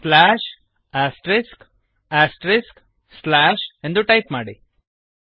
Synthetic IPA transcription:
slæːʃ | æsʈɾɪsk | æsʈɾɪsk | slæːʃẽnd̪uʈaɪpmaːɽḭ

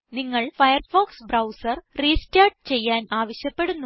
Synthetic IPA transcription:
niŋːɐɭfɐjɐrfoːksbrɐwsɐrriːstaːʈ̚t͡ɕe̞jːaːnaːʋɐɕjɐpːe̞ɽunːu

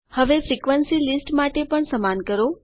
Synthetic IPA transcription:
həʋefʰɾikʋənsilisʈmaʈepəɳsəmankəɾo

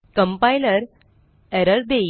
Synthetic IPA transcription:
kə̃mpajləɾ | ɛɾəɾd̪e

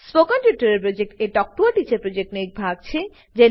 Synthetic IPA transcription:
spokɔnʈjuʈaɾeɾpɾod͡ʑek̚ʈeʈɔk̚ʈuaʈit͡ɕaɾpɾod͡ʑek̚ʈnek̚bʱaɡ̚t͡ɕʰe | d͡ʑe

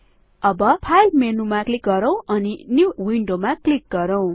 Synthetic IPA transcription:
ʌbʌpʰajlmenumaklik̚ɡʌɾʌ̃w̃ʌninjuwiɳɖomaklik̚ɡʌɾʌw̃

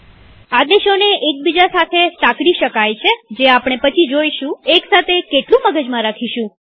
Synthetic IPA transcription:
ad̪eʃoneʔek̚bid͡ʒasat̪ʰesakɽiʃəkajt͡ʃʰed͡ʒeapɽ̃epət͡ʃʰid͡ʒojʃũeksat̪ʰekeʈlũməɡəd͡ʒmãɾakʰiʃũ

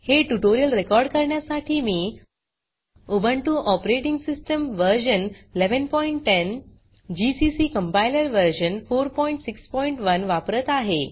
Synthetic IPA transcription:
heʈuʈoɾijəlɾekɔɾɖkəɾɳjasaʈʰiːmiː | obəɳʈuʔɔpɾeʈiŋɡsisʈəmʋəɾɕənleʋənpɔiɳʈːen | d͡ʑisisiːkəmpailəɾʋəɾɕənfoɾpɔiɳʈsikspɔiɳʈʋənʋapɾət̪aɦe

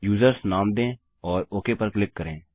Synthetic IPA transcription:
juːzəɾsnaːmd̪ẽː | ɔːɾoːkepəɾklɪkːəɾẽː

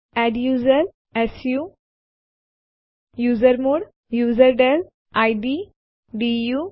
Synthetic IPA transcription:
ɛɖjuːzəɾ | esjuː | juːzəɾmuːɽ | juːzəɾɖel | aɪɖi | ɖijuː

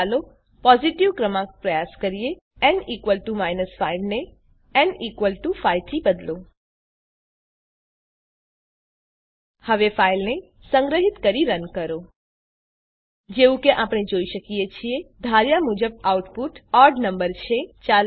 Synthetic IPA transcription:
lo | pɔziʈiʋkɾəmãkpɾəjaskəɾije | ɛnikʋəlʈumajnəsfailne | ɛnikʋəlʈufait̪ʰibəd̪lo | həʋefailne | sə̃ŋɡɾəɦit̪kəɾiɾənkəɾo | d͡ʒeʋũkeʔapɽ̃ed͡ʒoiʃəkijet͡ʃʰied̪ʱaɾjamud͡ʒəb̚auʈpuʈɔɾɖnəmbəɾt͡ʃʰet͡ʃa

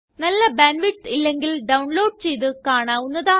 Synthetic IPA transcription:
nɐlːɐbanʋiʈilːeŋɡilɖɐwɳloːɖ̚t͡ɕejt̪ɨkaːɳaːunːɐðaː

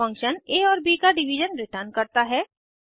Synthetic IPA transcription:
ɐ̃ŋkʃəneːɔːɾbiːkaɖɪʋid͡ʒənɾɪʈənkɐɾt̪aɦɛː

